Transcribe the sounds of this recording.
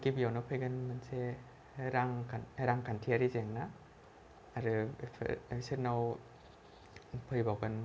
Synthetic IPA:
kibijawnawpʰɯjɡɯnmanse | ɾaŋʰaɾaŋkʰantʰiaɾizeŋnaː | ɾɯ̰ | seɾnaw | pʰɯjbawɡan

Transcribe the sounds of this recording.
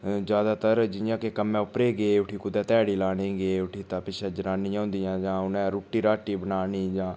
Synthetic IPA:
d͡ʒjaːd̪aːt̪əɾd͡ʒɪjãːkekəmɛ̃ːʊpɾeːɡeːʊʈʰiːkʊd̪ɛ̃ːt̪ɛːɽiːlaːɽiːɡeːʊʈʰiːt̪ãːpɪʃɛːd͡ʒəɾaːnɪjãːʊ̃nd̪ɪjãːd͡ʒãːʊnɛ̃ːɾuːʈːiːɾaːʈiːbənaːniːd͡ʒãː

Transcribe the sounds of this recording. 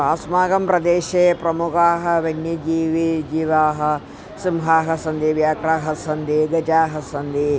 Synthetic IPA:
aːsmaːɡɐmpɾɐd̪eːʃeːpɾɐmukaːɦɐ̆ʋɐnjɐd͡ʒiːʋid͡ʒiːʋaːɦɐ̆ | simɦaːɦɐ̆sɐnd̪iʋjaːkɾaːɦɐsɐnd̪iɡɐd͡ʒaːɦɐsɐnd̪i

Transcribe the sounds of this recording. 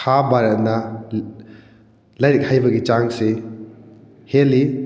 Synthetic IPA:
abaɾɐt̚nɐ | lɐjɾik̚hajbɐɡit͡ʃaŋse | heli

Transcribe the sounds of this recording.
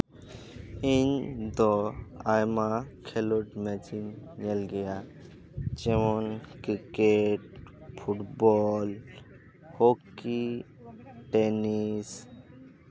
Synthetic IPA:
ind̪oajmakʰeloʈmɛt͡ʃinɲelɡeja | t͡ʃeʋɔnkikeʈpʰuʈbɔl | hoki | ʈenis

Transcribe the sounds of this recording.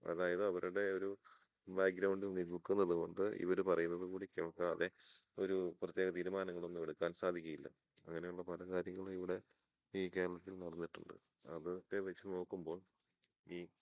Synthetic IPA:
ɐ̰ðaːjɐðɨɐʋɐɾʔuɽe̞oɾu | baːɡɾɐwɳɖininilkunːɐðuɣo̞ɳɖɨʔḭʋɐɾupɐrɐjunːɐðukuːɽikeɭɐkːaːðe̞o̞ɾuprɐt̪je̞ːɣɐt̪iːɾumaːnɐŋːɐɭonːuʋeɽukːaːnsaːd̪ʱikʲːujilːɐ̰ | ɐŋːɐne̞juɭːɐpɐlɐkaːɾjɐŋːɐɭiʋiɽe̞ | iːkeːlɭɐt̪ːilnɐɽɐnːiʈːṵɳɖɨ̰ | ɐðɨkːeʋɐt͡ɕːɨno̞ːkːumbo̞ːɭ | iː

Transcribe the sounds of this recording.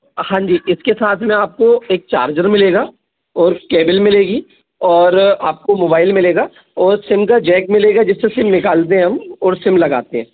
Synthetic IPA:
hãːɲd͡ʒiːʔɪskesaːt̪ʰmɛ̃aːp̚koeːk̚t͡ʃa̰ːɾd͡ʒəɾmɪleːɡaː | ɔːɾkeːbɪlmɪleːɡiː | ɔːɾaːp̚komoːbaːɪlmɪleːɡaː | ɔːɾsɪmkad͡ʒɛːkmɪleːɡad͡ʒɪsːesɪmnɪkaːlt̪eɦɛ̃ɦɐmɔːɾsɪmlɐɡa̰ːt̪eɦɛ̃ː

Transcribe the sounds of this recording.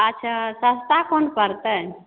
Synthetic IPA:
ətːt͡ʃʰasəst̪akonpəɾt̪ə

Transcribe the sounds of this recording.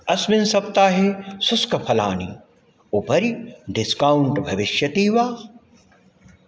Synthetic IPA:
ɐsmɪnsɐp̚t̪aːɦesʊskɐpʰɐla̰ːnḭ | upɐɾiɖɪskauɳʈbʱɐʋɪʃjɐt̪iːʋaː

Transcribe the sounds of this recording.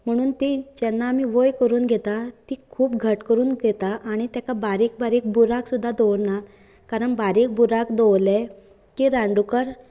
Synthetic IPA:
m̤əɽ̃uːnt̪id͡ʑɛnːamiʋojkəɾuːnɡʱet̪at̪ikʰuːp̚ɡʱəʈkəɾuːnɡʱet̪aʔaɽ̃it̪jakabaɾiːk̚baɾiːk̚buɾaksud̪ʱːad̪ɔwɾna | kaɾəɳbaɾiːk̚buɾakd̪owle | kiɾãɳɖukəɾ

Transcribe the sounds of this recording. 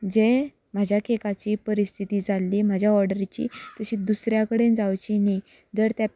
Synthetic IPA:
d͡ʑe | m̤ad͡ʑʱjakʰekat͡ɕiːpəɾist̪ʰit̪iːd͡zʱalːiːm̤ad͡ʑʱjaɔɾɖəɾit͡ɕḭːt̪əɕiːd̪usɾjakəɽend͡zawt͡ɕinaj | d͡zəɾt̪ja

